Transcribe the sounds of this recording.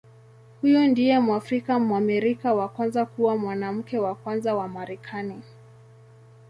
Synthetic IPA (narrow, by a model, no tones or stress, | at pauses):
hujɔndijɛmuafɾikamwamiɾikawakwanzakuwamwanam̩kɛwakwanzawamaɾɛkʰani